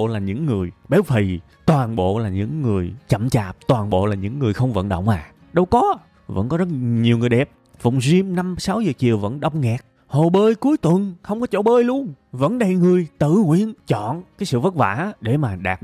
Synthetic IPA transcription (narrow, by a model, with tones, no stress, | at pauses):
laː˨˩ɲɨ̰˧˥ŋːɨ˨˩əjɓɛ˨˦wfʰi˨˩ | t̪waː˨˩nɓo̰˧˨laː˨˩ɲɨ̰˧˥ŋːɨ˨˩əjt͡ɕə̰˧˨mt͡ɕa̰ː˧˨˩p̚t̪waː˨˩nɓo̰˧˨laː˨˩ɲɨ̰˧˥ŋːɨ˨˩əjxə˧wŋ͡mvə̰˧˨nɗə̰˧˨ŋ͡mʔaː˨˩ | ɗə˧wkɔ˨˦ | və̰˧˥nkɔ˨˦zə˦˥t̚ɲi˨˩əwŋɨ˨˩jɗɛ˨˩p̚ | fʊ̰˧˨wŋ͡mzi˧mna˧msa˨˦wzəː˨˩t͡ɕi˨˩əwvə̰˧˥nɗə˧˩wŋ͡mŋɛ˨˩k̚ | ho˨˩ɓəː˧jku˨˦əjt̪wə˨˩nxə˧wŋ͡mkɔ˨˦t͡ɕo̰˧˥ɓəː˧jlu˧ən | və̰˧˥nɗə˨˧˩jŋɨ˨˩əjt̪ɨ̰˧˨ŋwḭ˧˨ənt͡ɕɔ̰˧˨nkaː˨˦jsɨ̰˧˨və˦˥t̚va̰ː˧˥ɗe˧˩maː˨˩ɗaː˨˩t̚